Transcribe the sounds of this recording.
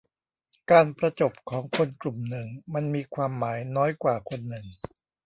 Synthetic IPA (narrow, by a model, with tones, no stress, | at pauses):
kaː˧npɾa˧t͡ɕo˨˩p̚kʰɔː˩˦ŋkʰo˧nklu˨˩mnɯ˨˩ŋma˧nmiː˧kʰwaː˧mːaː˩˦jnɔː˦˥jkwaː˨˩kʰo˧nːɯ˨˩ŋ